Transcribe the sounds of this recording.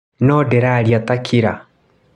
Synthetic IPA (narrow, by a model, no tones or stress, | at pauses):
nɔdɛɾaɾjatakʰiɾa